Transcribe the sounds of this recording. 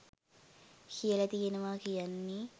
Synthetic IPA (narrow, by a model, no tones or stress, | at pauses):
kijəlɐt̪ijenəʋaːkijanːi